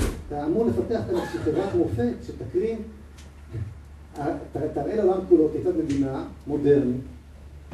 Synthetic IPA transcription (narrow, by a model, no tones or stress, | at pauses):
t̪aːmuʁle̞fat̪e̞aχkalazʃeχevʁat̪amofet̪ʃet̪akʁim | at̪at̪aʁʔeleolamkulot̪ejt͡sat̪me̞d̪inamo̞de̞ʁnit